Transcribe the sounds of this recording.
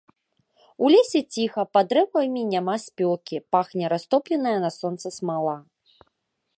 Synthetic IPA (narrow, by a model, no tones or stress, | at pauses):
ulʲesʲɛt͡sʲixɐpad̪ɾɛwɐjmʲinʲamasʲpʲɔlˠkʲipaxnʲɐɾast̪ɔplʲɛnɐjɐnɐsɔnt̪sɐsmalˠa